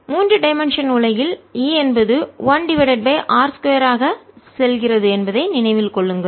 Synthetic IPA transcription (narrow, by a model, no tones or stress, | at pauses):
muːndrɯɖɐɪmɛnʂɐnʊlɐjɪliːɛnbɐðɯʋɐnɖɪʋɐɽɐʈ̚beːʔaːɾskʊjɐɾaːɣɐsɛlɣɪrɐðɯɛnbɐðɐɪnɪnɐɪʋɪlkɔɭːɯŋɡɐɭ